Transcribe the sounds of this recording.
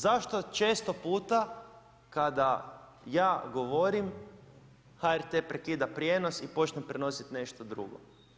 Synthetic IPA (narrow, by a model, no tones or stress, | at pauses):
zaʃt̪o̞t͡ʃeːst̪opuːt̪a | kad̪a | jaːɡoʋo̞ɾim | haeɾt̪epɾekid̪apɾjeːno̞sipo̞t͡ʃnempɾeno̞sit̪ne̞ʃt̪o̞d̪ɾṵɡo̰